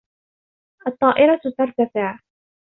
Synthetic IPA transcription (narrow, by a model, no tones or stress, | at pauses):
ʔɑt̪ˤːɑːʔɪɾˤɑt̪ɑɾˤt̪afɪʕ